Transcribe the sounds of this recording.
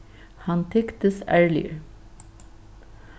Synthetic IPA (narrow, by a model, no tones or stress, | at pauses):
hɑnt̪ʰɛkt̪əsæːɹɭɪ̰ə̰ɾ